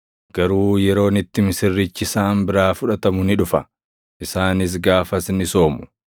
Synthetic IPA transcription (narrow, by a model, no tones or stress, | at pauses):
ɡ̥ɐɾuːjɛɾo̞ːnɪt̪ːɪmɪsɪrːɪt͡ʃːɪsaːmbɪɾaːfʊᶑɐt̪ɐmʊnɪᶑʊfɐ | ʔɪsaːnɪs̬ɡaːfɐsnɪso̞ːmʊ̥